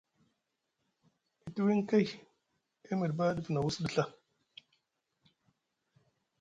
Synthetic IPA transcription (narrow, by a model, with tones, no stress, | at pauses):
i˨tu˦wi˦ŋ˦ka˦j | e˦mə˨dba˦də˦fna˨wu˦sdə˦ɬa˦